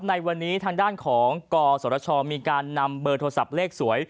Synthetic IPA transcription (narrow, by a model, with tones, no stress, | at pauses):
p̚na˧jwa˧nːiː˦˥t̪ʰaː˧ŋdaː˥˩nkʰɔː˩˦ŋkɔː˧soː˩˦ɾa˧t͡ɕʰɔː˧miː˧kaː˧nːa˧mbɤː˧t̪ʰo˧sa˨˩p̚leː˥˩k̚su˩˦əj